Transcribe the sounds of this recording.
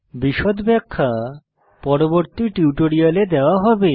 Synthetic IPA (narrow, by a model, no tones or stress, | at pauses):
biʃod̪bɛkʰːa | pɔɾoboɾt̪iʈiuʈoɾijaled̪eoaɦɔbe